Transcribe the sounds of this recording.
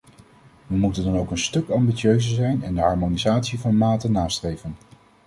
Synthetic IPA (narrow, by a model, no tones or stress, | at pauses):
ʋəmutəndɑnowkənstɵkɑmbiøɥzəzɛjnɛndəɦɑɹmonizaːtsivɑnmaːtənaːstrejvən